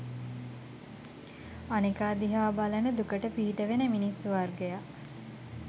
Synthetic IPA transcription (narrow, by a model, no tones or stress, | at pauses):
anikaːd̪iɦaːbalənəd̪ukəʈəpiɦiʈəʋenəminisːuʋarɡejaʔ